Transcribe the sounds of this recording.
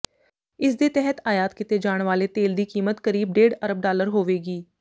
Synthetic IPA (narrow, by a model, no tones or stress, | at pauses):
ɪsd̪eːt̪ɛɦət̪aːjaːt̪kɪt̪eːd͡ʒaːɳ̃ʋaːleːt̪eːld̪iːkiːmət̪kəɾiːb̚ɖeːɖəɾəb̚ɖaːləɾɦoːʋeːɡiː